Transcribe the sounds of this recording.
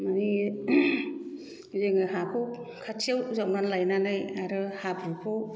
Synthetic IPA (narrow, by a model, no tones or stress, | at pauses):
mani | zeŋɯɦakʰɔwkʰatʰiawzawnanlajnanajaɾɯhabukʰɔw